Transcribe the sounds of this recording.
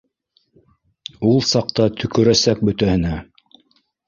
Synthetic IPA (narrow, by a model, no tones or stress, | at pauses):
ulˠsɑq̚t̪ɑt̪ʰɵ̆kɵ̆ɾæsæk̚bɵ̆t̪æhɘ̆næ